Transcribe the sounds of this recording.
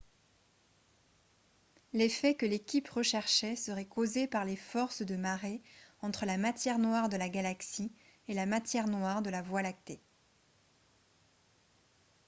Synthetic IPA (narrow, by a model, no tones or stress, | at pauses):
lefɛkəlekʲipʁəʃɛʁʃɛsəʁɛkozepaʁlefɔʁsd̪əmaʁeɑ̃t̪χəlamat̪jɛʁnwaʁd̪əlaɡalaksi | elamat̪jɛʁnwaʁd̪əlavwalak̚t̪e